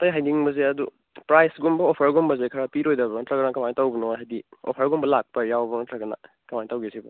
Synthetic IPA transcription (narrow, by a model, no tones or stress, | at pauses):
tɐjɦajniŋbɐzeɐdu | pɾajsɡumbɐopʰɐɾɡumbɐzekʰaɾapiɾojdɐbɐŋɐtɾɐɡɐnakɐmantawbɐnɔɦajdiɔ̰pʰɐɾɐɡumbɐlak̚pɐjawbɐŋɐtɾaɡɐna̰ | kɐmanitawɡesibɐ